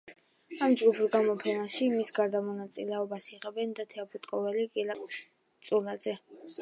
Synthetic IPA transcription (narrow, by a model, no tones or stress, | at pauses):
amd͡ʒɡupʰɡamɔpʰɛnaʃimisɡaɾd̪amɔnat̪sʼḭlɛɔbasiʁɛbɛnd̪at̪ʰɛapʰut̪ʼqʼɔvɛlikʼilakʼ | t̪sʼulad̪zɛ